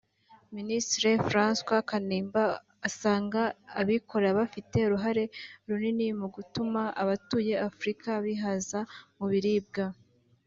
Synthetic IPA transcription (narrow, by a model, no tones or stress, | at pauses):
ministɾe̞fɾaːnskwakaniːmbaː | saːŋɡaːβikʰo̞ɾaβafite̞ɾuɦaɾe̞ɾuninimuɡutumaʔaβatuːje̞afɾikʰaβiɦazamuβiɾiːb̚ɡa